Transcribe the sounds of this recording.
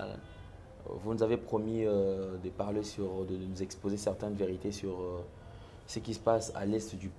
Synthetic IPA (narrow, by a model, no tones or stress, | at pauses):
vunuzavepχɔmiød̪əpaʁlesyʁd̪ənənuzɛkspozesɛʁt̪ɛ̃nveʁit̪esyʁø | səkʲisə̥pasa̰lɛst̪d̪yp